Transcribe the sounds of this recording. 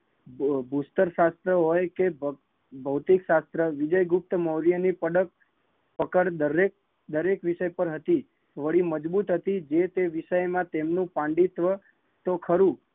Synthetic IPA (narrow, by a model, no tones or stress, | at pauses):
bʱust̪əɾʃast̪ɾəɦojkeb | bʱəwt̪ikʃast̪ɾəʋɪd͡ʒəjɡʊp̚t̪əməwɾijənipəɽək̚ | pəkəɽd̪əɾek̚ | d̪əɾekʋɪʃəjpəɾɦət̪i | ʋəɭiməd͡ʒbut̪ɦət̪id͡ʒet̪eʋɪʃəjmãt̪emnũpãɳɖit̪ʋə | t̪okʰəɾũ